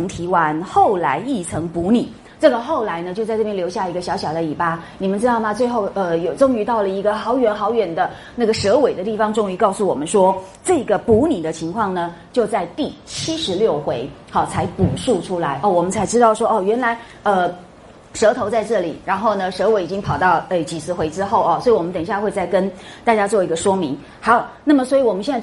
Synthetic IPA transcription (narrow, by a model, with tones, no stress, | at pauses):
ŋt̪ʰi˧˥wa˧˥nxo˥˩ʊla˧˥ɪi˥˩t͡sʰɤ˧˥ŋpu˧˥nḭ˨˩˦ | ʈ͡ʂɤ˥˩ɡə˩xo˥˩ʊla˧˥ɪnə˧t͡ɕo˥˧t͡sa˥˧ʈ͡ʂɤ˥˩jɛ˥nljo˧˥ʊɕja˥˩i˧˥ɡə˧ɕjɑ˧˥ʊɕjɑ˨˩ʊd̪ə˦i˨˩pa˥ni˨˩mə˦nʈ͡ʂɻ̩˥t̪ɑ˥˩ʊmɐ˨˩t͡swe˥˧ɪxo˥˩ʊə˧jo˨˩ʊʈ͡ʂʊ˥ŋy˧˥t̪ɑ˥˩ʊlə˩i˧˥ɡə˧xɑ˧˥ʊɥɛ˧˥nxɑ˧˥ʊɥɛ˨˩nd̪ə˦ | na˥˩ɡə˩ʂɤ˧˥we˨˩ɪd̪ə˦t̪i˥˩fɑ˧˥ŋʈ͡ʂʊ˥˧ŋy˧˥kɑ˥˩ʊsu˥˩wɔ̰˨˩mə˦nʂwɔ˥ʈ͡ʂɤ˥˩ɡə˩pu˧˥ni˨˩d̪ə˦t͡ɕʰi˧˥ŋkʰwɑ˥˩ŋnə˩t͡ɕjo˥˧ʊt͡sa˥˧ɪt̪i˥˩t͡ɕʰi˥ʂɻ̩˧˥ljo˥˩ʊxwe˧˥ɪxɑ˥˩t͡sʰa˧˥ɪpu˨˩ʂu˥˩ʈ͡ʂʰu˥la˧˥ɪʔɔ˥˩wɔ˨˩mə˦nt͡sʰa˧˥ɪʈ͡ʂɻ̩˥t̪ɑ˥˩ʊʂwɔ˥ʔɔ˥˩ɥɛ˧˥nla˧˥ɪ | ə˧ | ʂɤ˧˥t̪ʰo˧˥t͡sa˥˧ɪʈ͡ʂɤ˥˩lḭ˨˩ɻa˧˥nxo˥˩ʊnə˩ʂɤ˧˥we˧˥ɪi˨˩t͡ɕi˥ŋpʰɑ˨˩ʊt̪ɑ˥˩ʊe˥˩t͡ɕi˨˩t͡sʰɹ̩˥˩xwe˧˥ɪʈ͡ʂɻ̩˥xo˥˩ʊɔ˩swɔ˧˥i˧wɔ˨mə˦nt̪ə˨˩ŋɕja˥˧xwe˥˧ɪt͡sa˥˩ɪkə˥nt̪a˥˩t͡ɕja˥t͡swɔ˥˩i˧˥ɡə˧ʂwɔ˥mi˧˥ŋ | xɑ˧˥ʊna˥˩mə˩swɔ˧˥i˧˩wɔ˨˩mə˦ɕjɛ˥˧n˥˩